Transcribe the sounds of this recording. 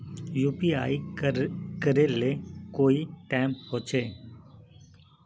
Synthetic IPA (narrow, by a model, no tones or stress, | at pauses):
juːpiaːi | kəɾelekoːiʈaːɪmɦoːt͡ʃʰeː